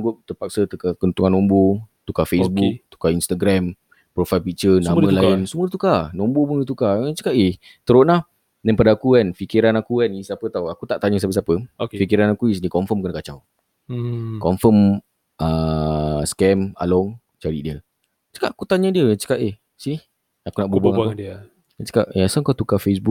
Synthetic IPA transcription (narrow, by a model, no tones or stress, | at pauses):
ɡʊp̚t̪əpak̚sət̪ukakənt̪uŋanɔ̃mbot̪ukafesbuk̚t̪u̥kainst̪aɡɾam | pɾofajlpik̚t͡ʃənãmmə̃lainsumət̪ukanɔmbomudət̪̬ukat͡ʃə̥kaʔeh | t̪əɾoʔnah | dɛnpadaakukanfikiɾanakukanisapət̪awakut̪aʔt̪aɲəs̬apəs̬apəokfikiɾanakuisnikɔɱfəmkənkat͡ʃaw | kɔmfəm | ə | skɛma̰lɔŋ | t͡ʃaɾḭdiə | t͡ʃə̥kaʔakut̪aɲədiət͡ʃə̥kaʔeh | sih | akunaʔbubŋabadiə | at͡ʃə̥kaʔsaŋkat̪ukafes̬buk̚